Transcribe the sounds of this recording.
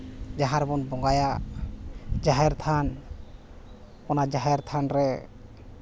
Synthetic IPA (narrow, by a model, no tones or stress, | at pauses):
d͡ʒaɦaɾbɔnbɔŋɡaja | d͡ʒaɦɛɾt̪ʰan | kɔnad͡ʒaɦɛɾt̪ʰanɾɛ